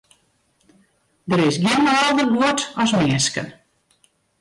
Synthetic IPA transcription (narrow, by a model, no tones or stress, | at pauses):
dəɾɪsɡjɪənɔlˠdərbuətɔsmɛːnskə̰n